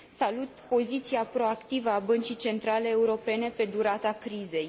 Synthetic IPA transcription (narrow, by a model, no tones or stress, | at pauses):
salut̪po̞zit̪siapɾo̞akt̪ivəabənt͡ʃit͡ʃe̞nt̪ɾale̞ːuɾo̞pe̞ne̞pe̞d̪uɾat̪akɾize̞j